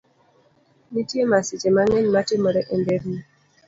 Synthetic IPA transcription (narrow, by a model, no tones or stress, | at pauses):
mitjemasit͡ʃemaŋɛɲmatemɔɾɛʔembeɾni